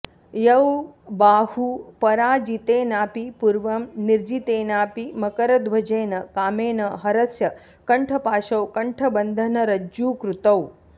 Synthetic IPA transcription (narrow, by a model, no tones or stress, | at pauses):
jɐwbaːhupɐɾaːd͡ʒit̪eːnaːpipuɾʋɐmniɾd͡ʒit̪eːnaːpimɐkɐɾɐd̪ʋɐd͡ʒeːnɐkaːmeːnɐɦɐɾɐsjɐ | kɐɳʈʰɐpaːʃɐwkɐɳʈʰɐbɐnd̪ʱɐnɐɾɐd͡ʒuːkɾut̪ɐw